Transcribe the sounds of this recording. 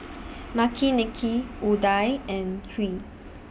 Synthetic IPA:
makʰinɛkʰiudajɛ̃nɹi

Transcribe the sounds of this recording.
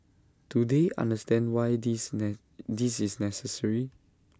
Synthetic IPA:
tudeʔã̰ndəstɛ̃ndwaj | disisnɛsəsəɹi

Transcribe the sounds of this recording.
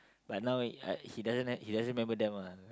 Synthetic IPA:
bat̚nãwahidazə̃nhidaz̃ɹimɛ̃mbədɛ̃ma

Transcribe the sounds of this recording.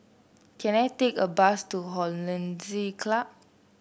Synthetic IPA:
kʰɛ̃natekəbastuɦɔlə̃nzikʰlap̚

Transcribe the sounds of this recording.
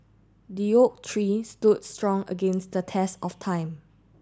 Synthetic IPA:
dijok̚tʰɹistud̚stɹɔ̃ŋə̰ɡẽnsdətʰɛstɔftʰãɪ̃m

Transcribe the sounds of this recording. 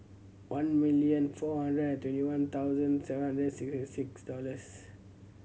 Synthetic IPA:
wʔãnmiliə̃nfɔhãndɹədɛ̃ntwɛ̃ntiwãnt̪ʰawzə̃nsɛvə̃hãndɹəsikstisiksdɔləs

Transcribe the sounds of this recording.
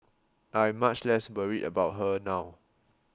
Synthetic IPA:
ʔãj̃mːat͡ʃlɛswəɹiʔə̰baʊt̚ɦənaw

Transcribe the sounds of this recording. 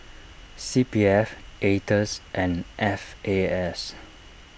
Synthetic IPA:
sipiɛfʔetəsʔɛ̃nʔɛfeɛs

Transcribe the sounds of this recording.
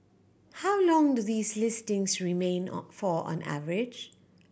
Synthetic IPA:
hawlɔ̃ŋduðiːslɪstɪ̃ŋsɹimẽːnfɔʔɔ̰̃nʔa̰vəɹɪd͡ʒ

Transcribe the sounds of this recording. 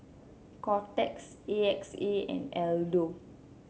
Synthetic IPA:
kɔtɛks | eɛkseɛ̰̃nɛldo

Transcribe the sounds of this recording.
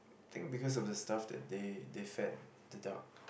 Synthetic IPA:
t̪ɪ̰̃ŋ̚bikɔs̬ɔfdəstafdɛ̰t̚dedefɛt̚ | dəda̰k̚

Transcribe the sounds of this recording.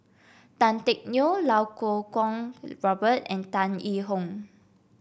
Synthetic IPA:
tãntɛk̚niolawkokɔ̃ŋɹɔbətɛ̰̃ntãniɦɔ̃ŋ

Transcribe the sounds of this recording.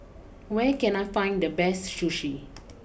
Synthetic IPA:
wɛkɛ̃najfãɪ̃ndəbɛstʃuʃi

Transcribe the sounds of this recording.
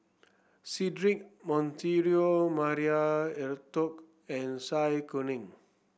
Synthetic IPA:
sidɾik̚mɔ̃nt̪iɾiomaɾiaɛrt̪ɔk | ɛ̃nsajkunĩŋ

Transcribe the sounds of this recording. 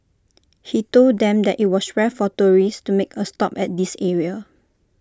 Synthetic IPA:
hitolddɛ̃mdɛtit̚wɔswɛfɔtoɹistumekʰəstɔpɛt̚disɛɹiə

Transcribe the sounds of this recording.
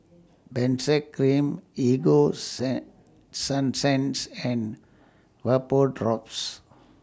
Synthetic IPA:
bɛ̃nsɛkːɾĩmiɡo | sãnsɛ̃nsɛ̃n | ʋəpoɖɾɔps

